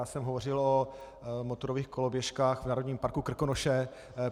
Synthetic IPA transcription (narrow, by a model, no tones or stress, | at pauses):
aːsɛmɦovo̞r̝ɪlo | mot̪oɾoviːxkolobjɛʃkaːxvnaːɾodɲiːmpaɾkukr̩konoʃɛ